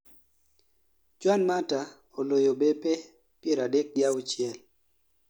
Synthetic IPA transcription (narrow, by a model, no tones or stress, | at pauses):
t͡ʃwanmata | olojobepe | pjeɾadɛk̚ɡjawt͡ʃɪɛl